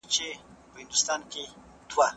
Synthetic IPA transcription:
t͡ʃe | pəhɪnd̪ʊst̪ɑnke | d̪̥wa

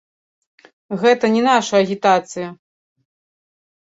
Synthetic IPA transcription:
ɣɛt̪ɐnʲɛnaʂɐɐɣʲit̪at̪sɨjɐ

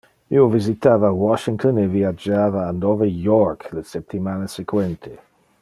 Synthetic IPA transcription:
iovɪzit̪ʰaːvawɔʃɪŋtʰəneviad͡ʒaːvaːndɔvəjɔɹkʰləsɛp̚t̪ʰimanəsɛkʰwɛnt̪ʰɪ

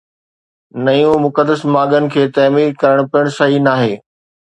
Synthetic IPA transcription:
nɐjũmʊkəd̪əsmaːɠənɪ̆kʰeːt̪ɐːmiːɾkɐɾəɽ̃pijəɽ̃sɐɦinaːɦeː

